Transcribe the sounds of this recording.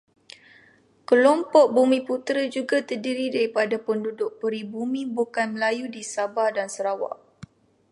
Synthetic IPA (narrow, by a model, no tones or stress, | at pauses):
kəlɔmpɔʔ̚bumĩput̪ɾəd͡ʒuɡat̪ərdiɾidaɾipadapəndudʊʔ̚pəɾibumĩbukanməlajudisabadansəɾawa̰ʔ